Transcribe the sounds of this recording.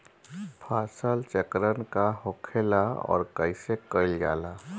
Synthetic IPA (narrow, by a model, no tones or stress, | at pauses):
pʰaːsəlt͡ʃəkɾənkaɦokʰelaɔ̰ːɾkəɪsekəɪlja̰ːla